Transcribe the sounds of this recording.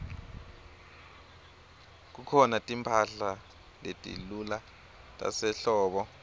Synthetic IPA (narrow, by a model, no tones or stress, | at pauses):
k̬ʼukʰɔnatʼimpʰaɬa | letʼḭlula | tʼa̰sɛɬɔːɓɔ